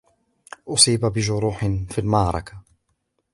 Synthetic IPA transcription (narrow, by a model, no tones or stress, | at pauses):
ʔʊsˤiːbabɪd͡ʒʊɾˤuːħɪnfiːlmɑʕɾˤɑ̰kḁ